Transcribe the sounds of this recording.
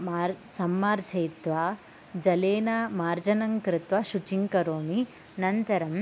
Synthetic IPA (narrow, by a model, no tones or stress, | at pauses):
maːɾsɐmːaːɾt͡ʃʰɐjt̪ʋa | d͡ʒɐleːnaːmaːɾd͡ʒɐnɐŋkɾɪt̪ʋɐʃut͡ʃiŋkɐɾoːmi | nɐnt̪ɐɾɐm